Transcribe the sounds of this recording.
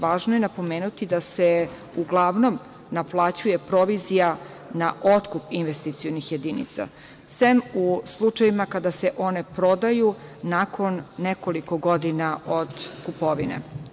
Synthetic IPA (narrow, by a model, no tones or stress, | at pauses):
ʋaːʒnojenapo̞meːnut̪id̪ase | uɡlˠaʋno̞m | naplˠaːt͡ɕuje̞pɾo̞ʋizija | naʔo̞t̪kupinʋest̪it̪sijonixje̞d̪inḭt̪sa̰ | semuslˠut͡ʂajimakad̪ase̞ʔo̞ne̞pɾo̞d̪ajunakʰo̞nːeko̞liko̞ɡo̞d̪inao̞d̪kupo̞ʋinḛ